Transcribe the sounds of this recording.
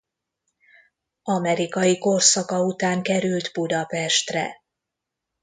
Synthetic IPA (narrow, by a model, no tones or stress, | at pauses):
ɒmɛɾikɒjiko̞rsɒkɒut̪aːŋkɛɾylt̪bud̪ɒpɛʃt̪rɛ̰